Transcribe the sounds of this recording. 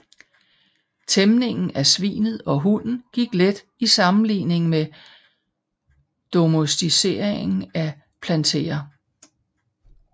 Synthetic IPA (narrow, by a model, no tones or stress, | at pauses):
t͡sʰemne̝ŋn̩æsʋḭːnð̞̩ˠɒ̽ɦunn̩ɡ̥iɡ̥led̥ | isɑ̈mn̩lḭːne̝ŋme | d̥o̝mosd̥ise̝̰ːɐ̰eŋn̩æ | pʰlænt͡sʰe̝̰ːɐ